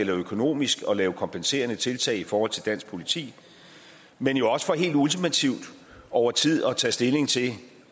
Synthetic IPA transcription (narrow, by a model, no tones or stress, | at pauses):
elɐøkʰo̝no̝̰ːmisɡ̥ɒ̽lɛːʊkʰɒ̽mpʰense̝̰ːɐnət͡sʰe̝lt͡sʰɛ̰ːɪifɒːhɒ̽l̰t͡sʰe̝d̥æn̰sɡ̥̚pʰo̝lit͡sʰḭː | menjo̝ɒ̽sə̥fɒ̽ɦe̝̰ːld̥ult͡sʰimæt͡sʰiʊd̥ | ʔɒʊɐt͡sʰið̰ˠɒ̽t͡sʰɛ̰ːsd̥e̝le̝ŋt͡sʰe̝